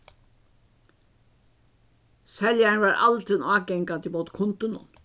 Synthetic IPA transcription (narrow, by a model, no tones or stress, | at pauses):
sɛljaɳʋaːɹʔa̰lt̪ɪnɑːɡɛŋkant̪ɪmuːt̪kʰʊnt̪ʊnʊ̰n